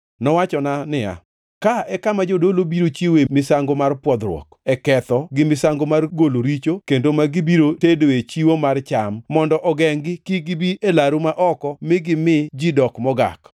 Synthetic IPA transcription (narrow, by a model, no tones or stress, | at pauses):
nɔwat͡ʃɔnanɪja̰ | kaɛkamad͡ʒodolobiɾot͡ʃiwemɪsaŋɡomarpwɔd̪ɾwɔ̰kɛkɛt̪ɔɡɪmɪsaŋɡomarɡoloɾit͡ʃokendomaɡɪbiɾotedoet͡ʃiwomart͡ʃamːɔndɔʔɔɡɛŋɡɪkiɡɪbiʔelaɾumaʔɔkɔmɪɡɪmɪd͡ʒidɔkmɔɡa̰k